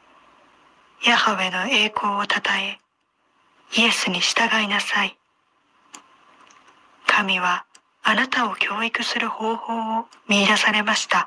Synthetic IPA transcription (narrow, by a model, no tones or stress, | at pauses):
jahoβe̞no̞e̞ːkʰo̞ːt̪ʰat̪ae̞ | ie̞sɨɲ̟iɕi̥t̪aɡainasai | kʰamʲiβ̞aː | nat̪ao̞kʲʰo̞ːikɯ̟sɨɾɯ̟ho̞ːho̞ːomʲiːd̪asaɾe̞maɕi̥t̪a